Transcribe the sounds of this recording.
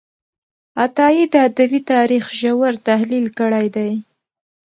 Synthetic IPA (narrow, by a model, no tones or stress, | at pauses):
at̪ɑjid̪əad̪awit̪ɑɾixʒawaɾt̪ahlilkəɽajd̪aj